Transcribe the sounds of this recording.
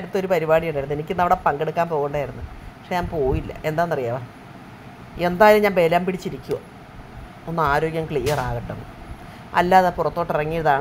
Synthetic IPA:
ɽut̪ːo̞ɾupɐɾibaːɽijɐɳɖaːjɾunːenikʲːɨinːɐʋiɽepɐŋɡe̞ɽukːaːmpo̞ːɣuɳɖaːjiɾunːɨpɐkʂeɲaːmpo̞ːjilːɐ̰ʔe̞nd̪aːnːɐrijaːʋa | e̞nd̪aːjɐlɨmɲaːmʋe̞ːlaːmpiɽit͡ɕːiɾikʲːuo | onːɨaːɾo̞ːɡjɐmkɭiːjɐraːɣɐʈːonːɨ̰ | ɐ̰lːaːðepurɐt̪ːo̞ːʈːirɐŋːijɐðaːɳ

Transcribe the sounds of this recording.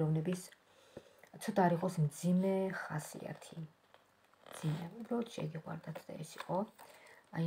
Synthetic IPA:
ɾɔvnɛbis | t̪sʰɔd̪aɾiqʼɔsmd̪zimɛχasḭa̰t̪ʰi | md̪z̥imɛubɾalˠɔt̪ʰʃɛ̰ɡiqʼwa̰ɾd̪at̪ʰd̪̥a̰ɛsiqʼɔ | a

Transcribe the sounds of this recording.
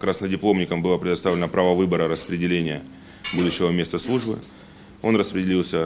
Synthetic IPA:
kɾasnədʲɪplˠo̞mnʲɪkəmbɨlˠapɾʲɪd̪ɐst̪avlʲɪnəpɾavəvɨbəɾəɾəspɾʲɪdʲɪlʲenʲɪjə | bud̪ʊɕːɪvəmʲe̞st̪əslˠuʐbɨ̰ | o̞nrəspɾʲɪdʲɪlʲilˠsʲə

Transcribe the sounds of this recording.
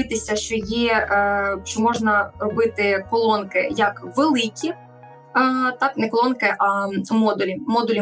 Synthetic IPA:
ɪt̪ɪsʲɐʃt͡ʃɔjɛ | ʃt͡ʃɔmɔʒnɐrɔbɪt̪ɪkɔlˠɔnkɪjɐkʋelˠɪkʲʰi | t̪ɑknɛkɔlˠɔnkɪʔɐmɔd̪ʊlʲimɔd̪ʊlʲi

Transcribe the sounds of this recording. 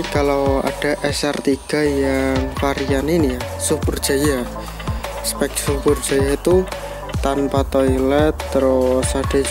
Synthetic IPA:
kalawa̰ɖ̥aʔɛsɛrt̪iɡ̥a̤jaŋfaɾijaninija | supərdd͡ʒ̥aja | spɛk̚supərd͡ʒajat̪u | t̪anpat̪ɔjlɛt̪ːɾɔsad̥a

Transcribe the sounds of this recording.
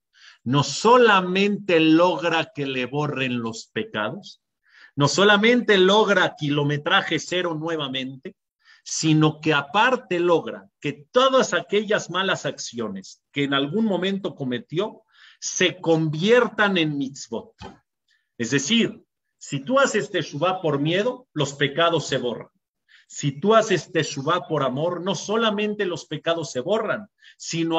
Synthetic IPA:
no̞so̞lamẽ̞nt̪e̞lo̞ɣɾake̞le̞βo̞re̞nlo̞spe̞ka̰ð̞o̞s | no̞so̞lamẽ̞nt̪e̞lo̞ɣɾakilo̞me̞t̪ɾaxe̞se̞ɾo̞nwe̞βamẽ̞nt̪e̞ | sino̞ke̞apaɾt̪e̞lo̞ɣɾa̰ke̞t̪o̞ðasake̞ʝazmalasaksjo̞ne̞ske̞ːnalɣunmõ̞mẽ̞nt̪o̞ko̞me̞t̪jo̞ | se̞ko̞mbje̞ɾt̪anẽ̞nmit̪sβot̪̚ | ezðe̞siɾ | sit̪uasest̪esuβapo̞ɾmje̞ðo̞lo̞spe̞kað̞o̞sːe̞βo̞ra̰n | sit̪uasest̪e̞ʃuβapo̞ɾamo̞ɾno̞so̞lamẽnt̪e̞lo̞spe̞kaðo̞sːe̞βo̞ran | sino

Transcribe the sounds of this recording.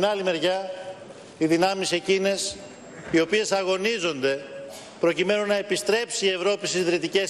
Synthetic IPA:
nɐlime̞ɾʝɐ | iðinɐmise̞cine̞s | io̞pie̞sɐɣo̞nizo̞nd̪e̞ | pɾo̞cime̞nunːɐe̞pist̪ɾe̞psie̞vɾo̞pist̪izðɾit̪ice̞s

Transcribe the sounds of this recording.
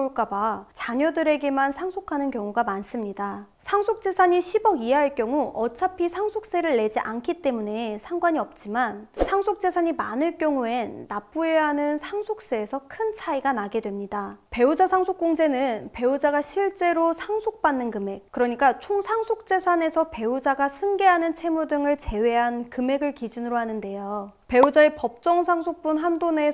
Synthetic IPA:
ɭk͈abat͡ɕaɲʌdɯɾe̞ɡe̞mansʰaŋsʰokʰanɯnkjʌŋuɡamans͈ɯmɲida | sʰaŋsʰok̚t͡ɕ͈e̞sʰaɲiɕʰibʌɡiaɦaɭk͈jʌŋuʔʌt͡ɕʰapʰisʰaŋsʰok̚s͈e̞ɾɯɭːe̞d͡ʑiʔankʰit͈e̞mune̞sʰaŋɡwaɲiʌp̚t͡ɕ͈imansʰaŋsʰok̚t͡ɕ͈e̞sʰaɲimanɯɭk͈jʌŋue̞nːap͈ueaɦanɯnsʰaŋsʰok̚s͈e̞ːsʰʌkʰɯnt͡ɕʰaiɡanaɡe̞dwe̞mɲidape̞ud͡ʑasʰaŋsʰok͈oŋd͡ʑe̞nɯnpe̞ud͡ʑaɡaɕʰiɭt͡ɕ͈e̞ɾosʰaŋsʰok̚p͈anːɯnkɯme̞k̚kɯɾʌɲik͈at͡ɕʰoŋsʰaŋsʰok̚t͡ɕ͈e̞sʰane̞sʰʌpe̞ud͡ʑaɡasʰɯŋɡe̞ɦanɯnt͡ɕʰemudɯŋɯɭt͡ɕe̞we̞ɦankɯme̞ɡɯɭkid͡ʑunɯɾoɦanɯnde̞jope̞ud͡ʑae̞pʌp̚t͡ɕ͈ʌŋsʰaŋsʰok̚p͈unɦandone̞

